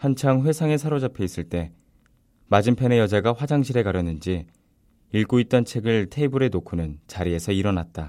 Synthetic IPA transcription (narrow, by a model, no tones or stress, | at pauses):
hant͡ɕʰaŋɸwe̞sʰaŋe̞sʰaɾod͡ʑapʰe̞is͈ɯɭt͈e̞ | mad͡ʑimpʰenejʌd͡ʑaɡaɸwad͡ʑaŋɕʰiɾe̞ɡaɾjʌnːɯnd͡ʑi | iɭɡoit̚t͈ʌnt͡ɕʰe̞ɡɯɭtʰe̞ibuɾe̞nokʰunɯnt͡ɕaɾie̞sʰʌiɾʌnat̚t͈a